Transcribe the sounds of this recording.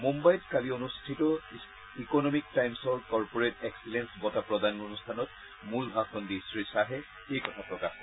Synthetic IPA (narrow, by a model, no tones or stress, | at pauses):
mumbajɔtkalionustʰitɔ | ikɔnɔmik̚tajmsɔɹkɔɹpɔɹetɛksilensbɔtapɹɔdanonustʰanɔt | mulbʱaxɔndisɹisaɦɛ | ejkɔtʰapɹɔkax